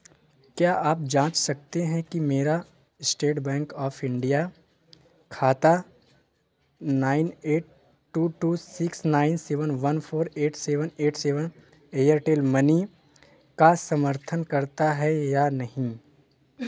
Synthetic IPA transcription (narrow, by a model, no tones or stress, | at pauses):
kjaːʔaːp̚d͡ʒãːt͡ʃsɐk̚t̪eɦɛ̃kimeːɾa | ɪsʈeːʈbɛ̃ːŋkɔːfɪ̃ɳɖija | kʰaːt̪a | naːɪneːʈ̚ | ʈːuːʈuːsɪksnaːɪnseːʋənʋɐnpʰoːɾeːʈseːʋəneːʈseːʋən | eːjəɾʈeːlmɐni | kasɐməɾt̪ʰənkɐɾt̪aɦɛjanɐɦĩ